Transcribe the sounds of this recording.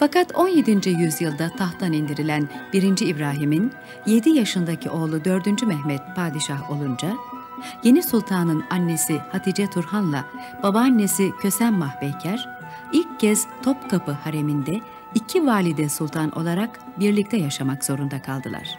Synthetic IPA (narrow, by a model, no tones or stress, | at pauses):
fakat̪ʰo̞nje̞d̪ind͡ʒyjyzjɯlˠd̪at̪ʰaht̪ʰanind̪iɾilʲænb̥iɾind͡ʒiːbɾaːɦimin | je̞d̪ijaʃɯnd̪acʰiʔo̞ːlˠud̪ø̞ɾd̪ynd͡ʒymɛɦmɛt̪̚pʰaːd̪iʃaɦo̞lˠund͡ʒa | je̞nisulˠt̪ʰaːnɯnanːe̞sihat̪ʰid͡ʒɛt̪ʰuɾhanlˠa̰ | b̥abaːnːe̞sicʰø̞sænmahbɛjcʰæɾ̥ | ilʲcːɛz̥t̪ʰo̞pkʰapɯhaɾe̞mind̪ɛ | icʰivaːlʲid̪ɛsulˠt̪ʰanʔo̞̰lˠaɾak | biɾlʲic̚t̪ʰɛjaʃamakz̥o̞ɾund̪akʰalˠd̪ɯlˠa̰ɾ̥